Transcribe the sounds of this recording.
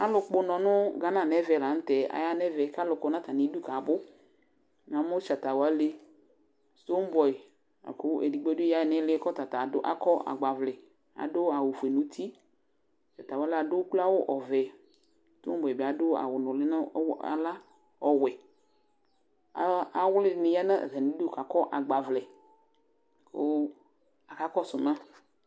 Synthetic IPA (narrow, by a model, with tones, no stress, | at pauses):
a˦lʊ˨k͡pʊ˦nɔ̃˨nʊ˦ɡa˦nã˨nɛ˦vɛ˨la˨n̩˦tɛ˨a̰˨ja˦nɛ˦vɛ˨˦ka˦lʊ˨kʊ˨˦nã˦ta˨nɪ˨˦du˦ka˨bʊ˦ | n˨ã˨˦mʊ˦t͡ʃa˨ta˨wa˦le˦ | sto˦m˦bɔ˨ɪ˨ | a̰˨kʊ˦ʔe˨di˨ɡ͡bo˦dja˦˨nɪ˦lɪ˦kɔ˦ta˨ta˨dʊ˦ʔa̰˦kɔ˦a̰˨ɡ͡ba˨vlɪ˨ | a̰˨dʊ˦a˨wʊ˨fu˨e˨nʊ˨tʰi˦˨ | t̪a˨t̪a˨wo˨˦la˨do˦k͡pla˦wo˦ʔɔ˨vɛ˨ | t̪o̰˦m˦bɔ˨e˨be˨a˨dʊ˦a̰˨wʊ˨nʊ̃˨lɪ˦nã˦wa̰˨la˦ | ɔ˨wɛ˨ | a˦a˦wʊ˦lɪ˦˨nɪ̃˨ja˦nã̰˦˨ɣɛ˨nĩ˦do˦ka˨kɔ˦ʔa˨ɡ͡ba˨vlɛ˨ | ko˦ | a˨ka˦kɔ˦sʊ˨mã˦